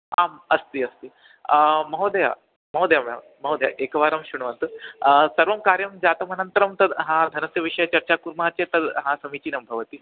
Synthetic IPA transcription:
a̰ːmɐst̪iɐst̪i | mɐɦod̪ɐja̰ | mɐɦoːd̪ɐjamja̰ | mɐɦoːd̪ja̰ʔekɐʋaːɾamɕuɳ̃ʋɐnt̪usɐɾʋɐmkaːɾjɐmd͡zaːt̪ɐmɐnɐnt̪ɐɾɐmt̪ɐd̪ɦãd̪ʱɐnɐsjɐʋiʂɐjɐt͡ɕɐɾt͡ɕakuɾmaːt͡ɕet̪ɐd̪ɦãːsɐmit͡ɕiːnɐmbʱɐʋɐt̪i

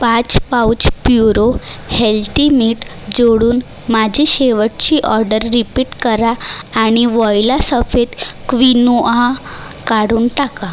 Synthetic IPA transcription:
pat͡spawt͡ɕpjuɾohelt̪imiʈ | d͡zoɽuːn | mad͡ʑʱiɕeʋəʈ̚t͡ɕiːʔɔɾɖəɾːipiːʈkəɾaːɽ̃iʋɔjlasəfet̪kʋinoa | kaɽuːnʈaka

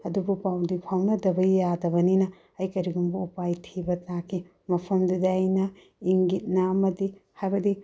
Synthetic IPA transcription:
ɐdubupawdipʰawnɐdɐbɐjadɐbɐninɐ | ɐjkɐɾiɡumbuupajtʰibɐtakʰi | mɐpʰɐmdidajnɐ | iŋɡit̚nɐɐmɐdihajbɐdi

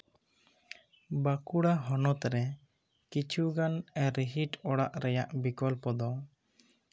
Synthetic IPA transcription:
bakuɽaɦɔnɔt̪ɾɛ | kit͡ʃʰuɡanɛɾiɦiʈɔɽaʔɾɛjaʔbikɔlpɔd̪ɔ

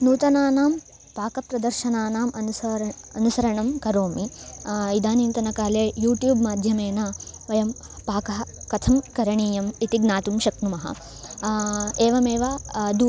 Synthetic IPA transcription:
nuːt̪ɐnaːnaːm | paːkɐpɾɐd̪ɐɾʃɐnaːnaːmʔɐnuɐ | ɐnusɐɾɐɳɐmkɐɾoːmiid̪aːnint̪ɐnɐkaːleːjuːʈjuːbmaːd̪ʱjɐmeːnɐ | ʋɐjɐm | paːkɐɦɐkɐt̪ʰɐmkɐɾɐɳiːjɐmit̪iɡnaːt̪umʃɐknumɐɦɐ̰ | eːʋɐmeːʋad̪u

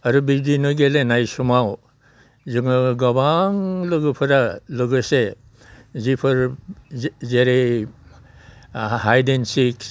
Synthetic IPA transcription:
aɾubidinɯɡelenajsumaw | zɯŋɯɡabaŋlɯɡɯpʰɯɾalɯɡɯse | zipʰɯɾ | zeɾe | ɦajdensik

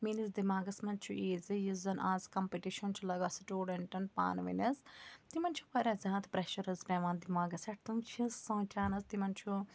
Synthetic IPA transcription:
miːnizd̪imaːɡɐsmɐnt͡ʃʰuʔeːzɨjizɐnʔaːzkɐmpiʈiʃɐnt͡ʃʰulɐɡɐsiʈuːɖɐɳʈɐnpa̰ːnʋɐ̰nʲɐzt̪imɐnt͡ʃʰupɐɾʲɐzʲaːt̪pɾɐʃɐɾɐzpʲɛːʋãːnd̪imaːɡɐsɐʈ̚t̪umt͡ʃʰisːõːt͡ʃaːnɐst̪imɐnt͡ʃʰu

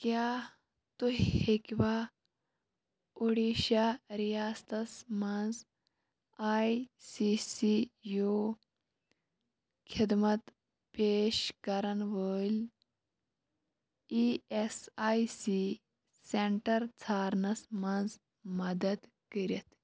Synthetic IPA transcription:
kjaː | t̪uhekʲʋa | uɽiʃaɾijaːst̪ɐsmand͡z | aːjsisijo | kʰid̪mɐt̪ | peːʃkɐɾɐnʋəːlʲ | iesaːjsi | seɳʈɐɾt͡sʰaːɾnɐsmand͡z | mɐd̪ɐd̪ | kəɾit̪

